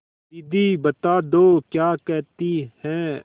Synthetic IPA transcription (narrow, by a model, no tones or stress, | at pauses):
id̪iːbət̪aːd̪oːkjaːkɛːt̪iːhɛ̃ː